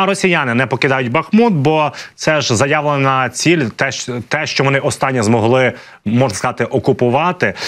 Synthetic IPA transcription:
ɾɔsʲijanɪnɛpɔkɪd̪ɑjʊtʲbɐxmut̪̚bɔt̪sɛʒzɐjɑʋlˠenɐt͡sʲilʲt̪ɛt̪ɛʃt͡ʃɔʋɔnɪʔɔst̪ɑnʲːizmɔɦlˠɪ | mɔʒnɐskɐzɑt̪ɪʔɔkʊpʊʋɑt̪ɪ

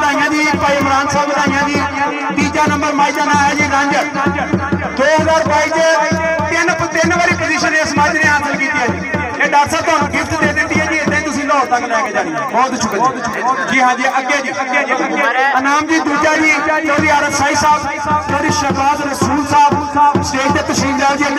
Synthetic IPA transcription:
d̪ãːɪ̃jãːd͡ʒiːɪkpaːiːmɾaːnsaːbɡəd̪ãːɪ̃jãːd͡ʒiː | t̪iːd͡ʒaːnəmbəɾmaːid͡ʒaːnãːɦɛːd͡ʒiːɾə̃ɲd͡ʒ | d̪oːɦəzaːɾpaːiːt͡ʃət̪ɪnpt̪ɪnbaːɾiːpʊlɪʃənd̪eːsəmaːd͡ʒnẽːãːsəlkiːt̪ijaːd͡ʒiː | eːɖaːtsaːt̪ʊɦaːnũːɡɪt̪d̪eːd̪ɪnd̪iːɦɛːd͡ʒiːeːt̪ãːt̪ʊsĩːlɔːɾt̪aklɛːkeːd͡ʒãːi | bɔːt̪t͡ʃʰʊkːd͡ʒiʈʰiːkɦãːd͡ʒiɛʔəɡjaːd͡ʒiː | ənaːmd͡ʒiːd̪uːd͡ʒaːd͡ʒiːtoɾiːaːɾəbsaːiːsaːb | kəɾɪʃəkɔːd̪ɾəsuːlsaːbsʈeːkʰd̪eːt̪əsɾiːmd̪aːd͡ʒiː

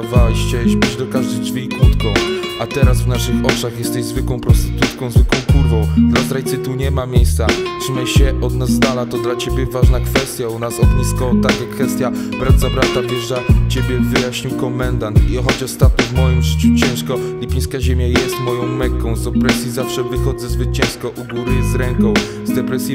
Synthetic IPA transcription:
vaɕɛɕbɘʑd̪ɔkaʐd̪ɛjd͡ʐvʲikwut̪kɔ̃w̃ | ʔat̪ɛɾasvnaʂɘxɔt͡ʂaxjɛst̪ɛʑzvɘkwɔ̃w̃pɾɔst̪ɘ̥t̪ut̪kɔ̃w̃zvɘkwɔ̃w̃kuɾvɔ̃w̃d̪lazɾajt̪sɨt̪uɲɛmamʲjejst̪satʂɨmaɕɛɔd̪nazːd̪alat̪ɔd̪lat͡ɕebʲjɛvaʐnakfɛst̪ʲjaunasɔbɲiskɔt̪akʲɛkfɛst̪ja | bɾat̪t̪sabɾat̪abɘʐzat͡ɕebʲjɛvɘjaɕɲiwkɔmɛnd̪ant̪iɔxɔd͡ʑɔst̪at̪̚ɲɛvmɔjimʐɘt͡ɕut͡ɕɛ̃w̃ʂkɔlʲipʲij̃skaʑemʲjajɛst̪mɔjɔ̃w̃mɛkːɔ̃w̃zd̪ɛpɾɛsʲjizafʂɛvɘxɔd̪zɛzvɘt̪̚t͡ɕɛ̃w̃ʂkɔʔuɡuɾɨzɾɛŋkɔ̃w̃ | zd̪ɛpɾɛsʲji

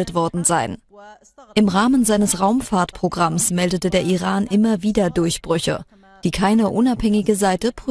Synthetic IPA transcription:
ətv̥ɔɐdn̩zaɪn | ʔɪmʁaːmənzaɪnəsʁaʊmfaːɐtpʁ̥oɡʁamsmɛldətədeːɐʔiʁaːnʔɪmɐviːdɐdʊɐçb̥ʁʏçə̰ | d̥iːkʰaɪnəʔʊnaphɛŋɪɡəzaɪtəp

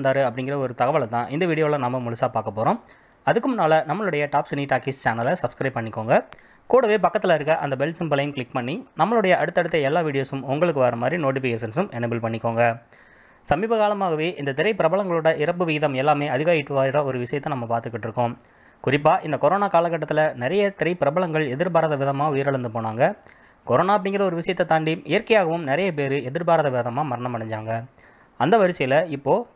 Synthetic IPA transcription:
nd̪aːɾɯɐpːɐɽɪŋɡɪɾɐɔɾɯt̪ɐɣɐʋɐɭɐt̪ːãːʔɪnd̪ɐʋiːɽɪjoːlɐ̃nɐmːɐmʊlɐsaːpaːɾkɐpːoːɾõː | ɐðɯkːɯmʊnaːlɐnɐmːɐɭɯɽɐjɐʈaːpsɪniʈaːkist͡ʃaːnɐlɐsɐbskɾɐɪb̚pɐɳːɪkːoːŋɡɐ | kuːɽɐʋeːpɐkːɐt̪ːɪlɐɪɾɯkːɐʔɐ̰nd̪ɐbɛlsɪmbɐlɐjɯmkɭɪkːpɐɳːinɐmːɐɭɯɽɐjɐɐɽɯt̪ːɐɽɯt̪ːɐɛlːaːʋiːɽɪjoːsɯmʊŋɡɐɭɯkːɯʋɐːɾɐmaːd̪ɾinoːʈ̬ɪfɪkeːs̬ɛnsɯmɛnɐbɪlpɐɳːɪkːoːŋɡɐ | sɐmiːbɐɣaːlɐmaːɣɐʋeːʔɪnd̪ɐt̪ɪɾɐɪpɪɾɐbɐɭɐŋɡɐɭɯɽɐʔɪɾɐp̬ːɯʋɪɣɪðɐmɛlːaːmeːɐðɪɣaːjɪʈːɯʋaːɪɾɐɔɾɯʋɪʂɐjɐt̪ːɐnɐmːɐpaːɾt̪ɯkːɪʈːɪɾɯkːõːm | kʊɾɪp̬ːaːʔɪnd̪ɐkɔɾoːnaːkaːlɐk̬ːɐʈːɐt̪ːɪlɐnɪɾɐjɐt̪ɪɾɐɪpɪɾɐbɐɭɐŋɡɐɭɛðɪɾbaːɾɐðɐʋɪðɐmaːʊjɐɾɐɭɐɾnd̪ɯpoːnaːŋɡɐ | kɔɾoːnaːɐp̬ːɐɽɪ̃ŋɡɪɾɐɔɾɯʋɪʂɐjɐt̪ːɐt̪aːɳɖiɪjɐɾkɐjaːɣɐʋɯmnɪɾɐjɐpeːɾɯɛðɪɾbaːɾðɐʋɪðɐmaːmɐɾɐɳɐmːɐɽɐɲd͡ʒaːŋɡɐ | ɐnd̪ɐʋɐɾɪsɐjɐlɐɪpːoː

